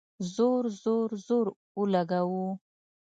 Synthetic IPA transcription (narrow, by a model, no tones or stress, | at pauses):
zoɾzoɾzoɾ | ulaɡawu